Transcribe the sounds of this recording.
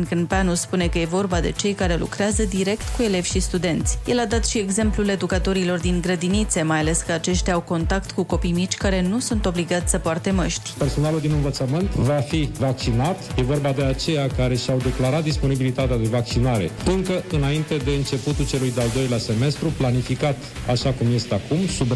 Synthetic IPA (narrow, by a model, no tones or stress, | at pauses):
nkɨnpanuspune̞kəje̞vo̞rbad̪e̞̰t͡ʃe̞jkaɾe̞lṵkɾeazəd̪iɾe̞kt̪kue̞le̞vʲʃist̪ud̪e̞nt̪sʲje̞lad̪at̪ʃie̞ɡze̞mplule̞d̪ukat̪o̞ɾilo̞rd̪iŋɡɾəd̪init̪se̞majale̞skəat͡ʃe̞ʃt̪ʲaawko̞nt̪akt̪kuko̞pijmit͡ʃʲkaɾe̞nusunt̪o̞bliɡat̪sʲsəpoart̪e̞məʃt̪ʲperso̞naluld̪inɨnvət̪səmɨnt̪vafivak̚t͡ʃinat̪je̞vo̞rbad̪e̞at͡ʃe̞jakaɾe̞ʃiawd̪e̞klaɾat̪̚d̪ispo̞nibilit̪at̪ead̪e̞vak̚t͡ʃinaɾe̞̰ɨŋkəɨnaint̪e̞d̪e̞ɨnt͡ʃe̞put̪ult͡ʃe̞lujd̪eald̪o̞jlease̞me̞st̪ɾuplanifikat̪ | aʃakumje̞st̪eakumsub